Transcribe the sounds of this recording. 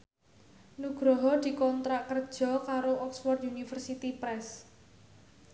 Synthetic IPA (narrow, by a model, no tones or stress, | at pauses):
nuɡ̥ɾɔɦɔd̪̥i̤kɔnt̪ɾakər̥ʒ̥ɔ̤kaɾoʔɔkswɔrt̪̚unifərsit̪ipɾɛs